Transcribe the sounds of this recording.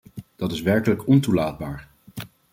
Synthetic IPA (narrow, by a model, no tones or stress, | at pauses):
d̥ɑtɪsʋɛɹkələkɔntulaːd̚baːɹ